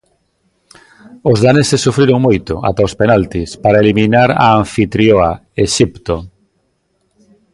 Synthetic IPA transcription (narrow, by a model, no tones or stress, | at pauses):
ʊzðanesɪsːufɾiɾoŋmojt̪ʊa̰t̪aospenalt̪ispaɾaelimĩnaɾa̰ːɱfit̪ɾjoa | eʃipt̪o